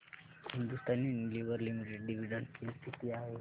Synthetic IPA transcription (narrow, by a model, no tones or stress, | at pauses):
hind̪ust̪anːinliʋəɾlimiʈeɖɖiʋiɖəɳsist̪ʰit̪iaɦe